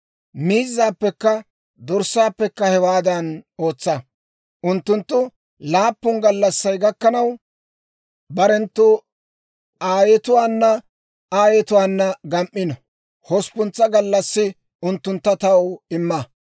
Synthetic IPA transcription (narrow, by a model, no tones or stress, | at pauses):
miːzːaːpːɛkːɐ | d̪ɔɾsːaːpːɛkːɐhɛwaːd̪ɐno̞ːt͡sːɐ | ʔʊnt̪ːʊnt̪ːʊ | laːpːʊnɡɐlːɐsːɐjɡɐkːɐnɐw | bɐɾɛnt̪ːʊ | aːjɛt̪ʊwaːnːɐ | aːjɛt̪ʊwaːnːɐɡɐmʔːɪnɔ | hɔspʊnt͡sːɐɡɐlːɐsːɪ | ʊnt̪ːʊnt̪ːɐt̪ɐwɪmːɐ